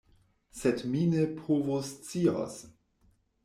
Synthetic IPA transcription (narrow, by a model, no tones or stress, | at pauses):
sedminepʰovost͡sio̰s